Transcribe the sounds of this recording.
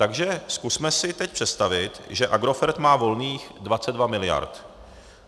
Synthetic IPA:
t̪aɡʒɛskusmɛsɪt̪ɛc̚pr̥ɛt̪st̪avɪt̪ʒɛʔaɡɾo̞fɛɾt̪maːvo̞lniːxdvat͡sɛd̪vamɪlɪja̰ɾt̪

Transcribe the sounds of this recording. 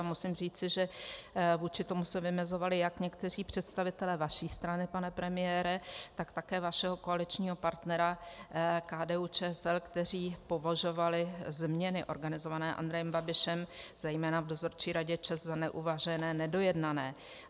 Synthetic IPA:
musɪmriːt͡sɪʒɛ | vuːt͡ʃɪt̪o̞musɛvɪmɛzo̞valɪjakɲɛkt̪ɛriːpr̥ɛt̪st̪avɪt̪ɛlɛːvaʃiːst̪ɾanɪpanɛpɾɛmɪjɛːɾɛt̪akt̪akɛːvaʃɛɦo̞ko̞alɪt͡ʃɲiːɦo̞paɾt̪nɛɾa | kaːdɛːuːt͡ʃɛːɛsɛlkt̪ɛr̝iːpo̞vaʒo̞valɪzmɲɛnɪʔo̞ɾɡanɪzo̞vanɛːʔa̰nd̪ɾɛjɛmbabɪʃɛmz̥ɛjmɛːnavdo̞zo̞ɾt͡ʃiːɾaɟɛt͡ʃɛzzanɛʔuvaʒɛnɛːnɛdo̞jɛdnanɛː

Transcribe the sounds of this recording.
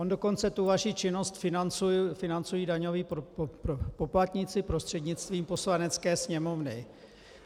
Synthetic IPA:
ʔondo̞ko̞nt͡sɛt̪uvaʃit͡ʃɪno̞st̪fɪnant͡sufɪnant͡sujiːdaɲo̞viː | po̞plat̪ɲɪt͡sɪpɾost̪r̝̥ɛdɲɪt͡st̪viːmpo̞slanɛt͡skɛːsɲɛmo̞vnɪ

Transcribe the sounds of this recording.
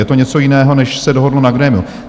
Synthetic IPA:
jɛt̪o̞ɲɛt͡sojɪnɛːɦo̞nɛʃsɛdoɦodl̩naɡɾɛmɪu

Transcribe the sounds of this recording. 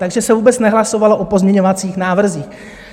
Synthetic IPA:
t̪aɡʒɛsɛvuːbɛt͡snɛɦlaso̞valoʔopo̞zmɲɛɲo̞vat͡siːxnaːvr̩ziːx

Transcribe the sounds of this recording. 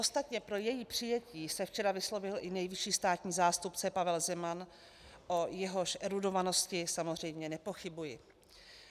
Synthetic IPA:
ʔost̪at̪ɲɛpɾo̞jɛjipr̝̥ɪjɛciːsɛft͡ʃɛɾavɪslo̞vɪlʔɪnɛjvɪʃiːst̪aːt̪ɲiːzaːst̪upt͡sɛpavɛlzɛman | ʔo̞jɛɦo̞ʃʔɛɾudo̞vano̞scɪsamozr̝ɛjmɲɛnɛpo̞xɪbujɪ

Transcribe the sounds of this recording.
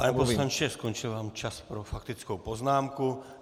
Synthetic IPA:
paɲɛposlaɲt͡ʃɛskont͡ʃɪlvaːmt͡ʃaspɾofakt̪ɪt͡skowpoznaːmku

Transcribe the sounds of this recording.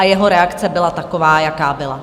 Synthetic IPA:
ajɛɦoɾɛakt͡sɛbɪlat̪akovaːjakaːbɪla

